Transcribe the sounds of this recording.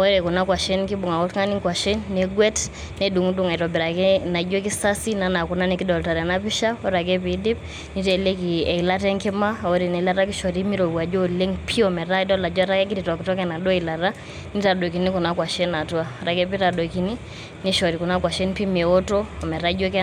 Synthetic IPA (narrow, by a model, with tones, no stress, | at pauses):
ɔ˦ɾɛ˨kɔ˨na˦kwa˨ʃɛ˦nki˦ɓu˨ŋa˨kɔ˦tŋa˦ni˦ŋkwa˨ʃɛ˦nːɛ˨ɡwɛ˦t | ne˦du˨ŋu˦du˨ŋa˨i˨ɾɔ˨bi˨ɾa˨kɛ˦na˨˦d͡ʒe˦k̬i˦sa˦si˦na˨na˨ku˨na˦ni˨ki˦dɔ˨lta˨ɾa˨na˦pi˦ʃa˦ɔ˦ɾa˨k̬ɛ˦pi˨˦di˦p̚ | ni˦tɛ˨le˦ki˨ɛ˨i˨la˦tɛ˦ŋkɛ˦ma˦ɔ˦ɾi˨nɛ˨˦la˦ɾa˦k̬i˦ʃɔ˨ɾi˦mi˦ɾo˨wa˨d͡ʒɔ˦le˦ŋpʰi˦ɔ˨mɛ˨ɾa˦dɔ˦la˨d͡ʒɔ˦ɾa˦kɛ˦k̬i˦ɾi˨tɔ˨ki˨tɔ˦kɛ˨na˨ɗɔ˦i˨la˨ɾa˦ | ni˦ta˨ɗɔ˨ki˨ni˦kɔ˨na˦kwa˨ʃɛ˦na˨tu˦a˦˨ɔ˦ɾa˨kɛ˦pi˦ɾa˨dɔ˨ki˨ni˦ | ni˦ʃɔ˨ɾi˨ku˨na˦kwa˨ʃɛ˦npi˦me˨ɔ˦tɔ˦ɔ˨mɛ˨ɾa˦d͡ʒo˦kɛ˦